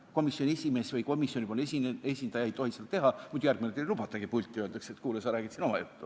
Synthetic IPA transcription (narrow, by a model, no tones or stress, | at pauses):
ko̞misjo̞nʲiesʲime̞svɯjko̞misjo̞nʲipolnsiesʲind̪ɑjɑe̞jt̪o̞hised̪̥ɑt̪e̞ɦɑmud̪̥jærɡ̥̚minet̪elub̥ɑt̪ːˑɑɡ̥ipulʲt̪ʲːˑiøld̪ɑkset̪kuːlesɑɾæːɡ̥it̪sino̞mɑjut̪ːu